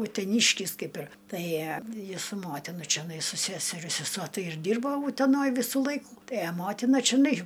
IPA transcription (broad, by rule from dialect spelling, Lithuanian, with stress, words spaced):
ʊtʲɛˈnʲiːʃʲkʲɪs ˈkɐɪp ɪr ˈtɐɪ ˈjɪs sʊ ˈmoːtʲɪnɐ t͡ʃʲɛˈnɐɪ sʊ ˈsʲæːsʲɛrʲɛ sʲɛˈsuɔ ˈtɐɪ ɪr ˈdʲiːrboː ʊtʲɛˈnoːj ˈʋʲiːsʊ ˈlˠɐɪkʊ ˈtɐɪ ɐ ˈmoːtʲɪnɐ t͡ʃʲɪˈnɐɪ